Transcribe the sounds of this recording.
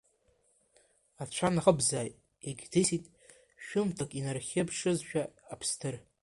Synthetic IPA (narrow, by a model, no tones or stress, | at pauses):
at͡ɕʷʰanaχəbzaːjtʼ | eɡʲdʰɨsitʼ | ʃᶣʊmtʰakʼinarχʲɪbʰʂɨzʃᶣaːpʰstʰɨr